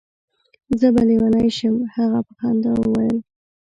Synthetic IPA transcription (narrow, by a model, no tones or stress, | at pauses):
zəbalewanajʃəmhaɣapəxɑnd̪awəwajəl